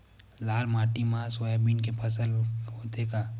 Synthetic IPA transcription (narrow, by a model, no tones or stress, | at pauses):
laːlmaːʈimãsojabiːnkepʰɐsəlɦoːt̪ekaː